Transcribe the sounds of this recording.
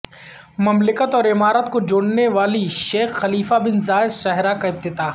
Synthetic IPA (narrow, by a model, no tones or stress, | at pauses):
mɐmlɪkət̪ɔːɾɪmaːɾət̪kod͡ʒoːɽneʋaːliʃeːxːɐliːfabɪnzaːɪzʃaɦɾakaɪb̚t̪ɪd̪aː